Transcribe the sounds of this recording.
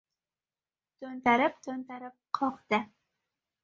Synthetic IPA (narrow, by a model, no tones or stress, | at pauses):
t̪ʰɵnt̪aɾɪp̚t̪ʰɵnt̪aɾɪp̚qʰɒqd̪ɪ